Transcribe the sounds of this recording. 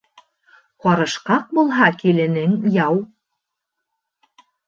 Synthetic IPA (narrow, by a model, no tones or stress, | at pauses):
qɑɾɤ̆ʃqɑq̚bulˠɦɑkilɘ̆nɘŋjɑw